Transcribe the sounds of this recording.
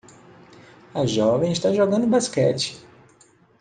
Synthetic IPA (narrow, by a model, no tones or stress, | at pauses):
ɐʒɔvẽj̃ist̪aʒoɡɐ̃nd̪ʊbaskɛt͡ʃɪ̥